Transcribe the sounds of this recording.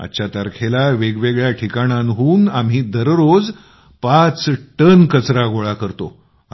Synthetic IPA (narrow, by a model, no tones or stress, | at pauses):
a̰t͡ɕat̪əɾkʰelaʋeɡʋeɡɭjaʈʰikaɽ̃ãnɦuːnam̤ɦiːd̪əɾɾod͡z | pat͡sʈənkət͡sɾaɡoɭakəɾt̪o̰